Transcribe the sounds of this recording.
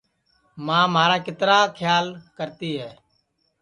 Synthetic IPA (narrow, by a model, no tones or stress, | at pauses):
mãːmaːɾaːkɪt̪ɾaːkʰjaːlkəɾt̪iːɦɛː